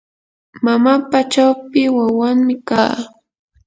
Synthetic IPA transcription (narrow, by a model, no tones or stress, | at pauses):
mamapat͡ʃawpɪwawaŋmɪkaː